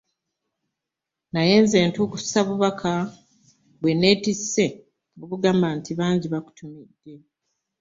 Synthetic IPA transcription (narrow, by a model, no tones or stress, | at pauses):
najeːnze̞ːntoːkussaβuβakʰa | βwe̞ne̞ːtisːe̞ | oβuɡaːmbaːntiβaːɲɟiβaku̥tʰumidːe̞